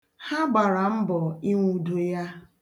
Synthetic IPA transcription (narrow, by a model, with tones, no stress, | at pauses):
ha˦ɡ͡ba˨ɾa˨m̩˦bɔ˨i˦ŋʷu˦do˦ja˦